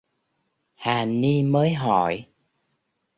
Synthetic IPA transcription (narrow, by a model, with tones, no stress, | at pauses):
haː˨˩ni˧məː˨˦jɦɔ˧˩˨j